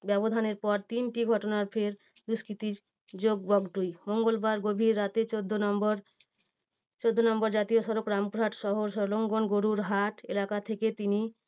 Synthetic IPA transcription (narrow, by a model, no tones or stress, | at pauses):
bɛbod̪ʱaneɾpɔɾt̪inʈiɡʱɔʈonaɾpʰeɾ | d̪uskɾit̪iɾ | d͡ʑoɡbɔɡʈujmoŋɡolbaɾɡobʱiɾːat̪et͡ɕod̪ʱːonɔmbɔɾ | t͡ɕod̪ʱːonɔmbɔɾd͡ʑat̪ijoʃɔɾokɾampuɾɦaʈʃɔɦoɾʃɔloŋɡonɡoɾuɾɦaʈelakat̪ʰeket̪ini